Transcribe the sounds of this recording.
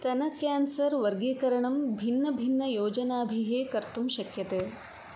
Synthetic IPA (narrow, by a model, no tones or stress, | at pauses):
t̪ɐnɐkjaːnsɐɾʋɐɾɡeːkɐɾɐɳɐmbʱinːɐbʱinːɐjoːd͡ʒɐnaːbʱiɦeːkɐɾt̪umʃɐkjɐt̪eː